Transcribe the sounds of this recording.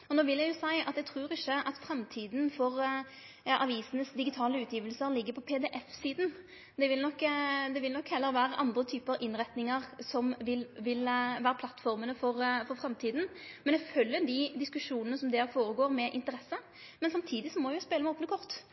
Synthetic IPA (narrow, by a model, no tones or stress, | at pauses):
ɔnoːʋɪljæɡjʊsæɪɑt̪jæɛɡt̪ʰɾʉːɾɪçːəʔɑt̪fɾɛmt̪ʰiːd̪n̩fɔʁ | ɑʔɑʋiːsənəsd̪ɪɡɪt̪ʰɑːləʉːt̪jiːʋəlsəɾlɪɡːəpʰɔpʰeːd̪ɛʔɛfsiːd̪n | d̪ɛʋɪlnɔkːd̪ɛʋɪlnɔkːhɛlːəɾʋæːɾəʔɑnd̪ɾət̪ʰyːpəɾʔɪnʁɛt̪nɪŋəʁsɔmʋɪlʋɪlʋæːɾəpʰlɑt̪fɔɾmənəfɔɾfɔɾfɾɛmt̪ʰiːd̪n̩mɛnæfœljəd̪id̪ɪskʉʂuːnənəsɔmd̪ɛːɾfoːɾəɡoːɾmɛʔɪ̰nt̪əɾɛsə | mɛnsɑmt̪ʰiːd̪ɪsɔmɔæjʊspeːləmɛoːpənəkʰɔʁt̪